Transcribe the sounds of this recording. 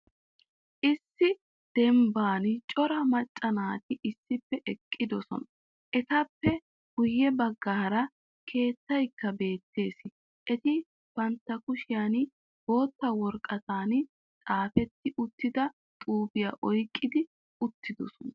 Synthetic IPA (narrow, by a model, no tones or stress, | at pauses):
ʔɪsːɪ | d̪̥ɛmbaːnt͡ʃʼɔɾɐmɐt͡ʃʼːɐnaːt̪ɪʔɪsːɪpːɛʔɛkʼːɪd̪ɔsɔ̰nɐ | ʔɛt̪ɐpːɛ | ɡ̥ʊjːɛbɐɡːaːɾɐ | kʰe̞ːt̪ːɐjkːɐbe̞ːt̪ːe̞ːsɪ | ʔɛt̪ɪ | b̥ɐnt̪ːɐkʊʃɪjan | bo̞ːt̪ːɐwɔɾkʼɐt̪aːn | t̪ʼaːfɛt̪ːɪʔʊt̪ːɪd̪ɐ | t̪ʼuːbɪjaʔɔjkʼːɪd̪ɪ | ʊt̪ːɪd̪ɔsɔnɐ